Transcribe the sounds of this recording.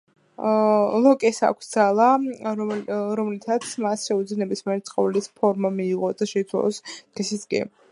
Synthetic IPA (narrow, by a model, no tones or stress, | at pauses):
lˠɔkʼɛsa̰kʷʰsd̪z̥alˠa | ɾɔmlit̪ʰat̪sʰmasʃɛud̪zinɛbismiɛɾɛt̪sʼqʼɔvɛlispʰɔɾmamiːʁɔd̪aʃɛit̪sʰwa̰lˠɔsd̪̥ɛsisɡɛ̰